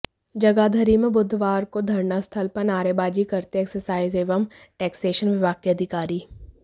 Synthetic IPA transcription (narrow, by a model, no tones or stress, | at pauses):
d͡ʒɐɡaːd̪ʱɐɾimẽbʊd̪ʱʋaːɾkod̪ʱɐɾnast̪ʰɐlpɐɾnaːɾebaːd͡ʒikɐɾt̪eɛksəɾsaːɪzeːʋəm | ʈɛːkseːʃənʋɪʋaːkeɐd̪ʱɪkaːɾiː